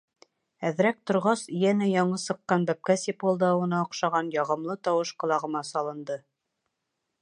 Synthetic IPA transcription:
æðɾæk̚t̪ŏɾʁɑsɵjænæjɑɴɤsɤ̆qːɑnbæp̚kæsipolˠd̪ɑwɤ̆nɑŏqʃɑʁɑnjɑʁɤ̆mlˠɤt̪ɑwɤʃqɤ̆lˠɑʁɤ̆mɑsɑlˠɤ̆nd̪ɤ

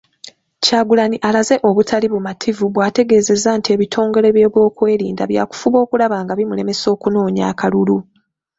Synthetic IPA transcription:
caːɡulaniʔalaze̞ʔo̞βutʰaliβumatʰivuβwaːte̞ɡe̞ːze̞zantie̞βitʰo̞ːŋɡe̞ɾe̞βje̞ːβwo̞ːkwe̞ːɾḭːnda̰βja̰ːku̥fuβo̞ːkulaβaːŋɡaβimule̞me̞so̞ːkuno̞ːɲa̰ːkalulu

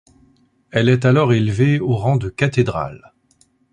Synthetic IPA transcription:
ɛlɛt̪alɔʁelveoʁɑ̃d̪əkat̪ed̪ʁa̰l

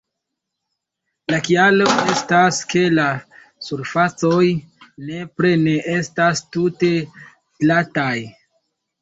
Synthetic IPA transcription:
lakialo̞ʔe̞staske̞la | suɾfat͡so̞jne̞pɾe̞ne̞ʔe̞stastute̞ | plataj

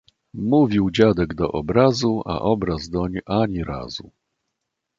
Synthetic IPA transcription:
muvʲiwd͡ʑad̪ɛɡd̪ɔʔɔbɾazua̰ʔɔbɾazd̪ɔɲʔaɲiɾa̰zṵ

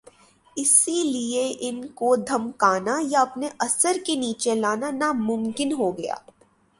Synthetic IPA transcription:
ɪsilieʔɪnkod̪ʱɐmkaːnajaɐpneʔɐsəɾkeniːt͡ʃelaːnanamʊmkɪnɦoɡɐja̰ː

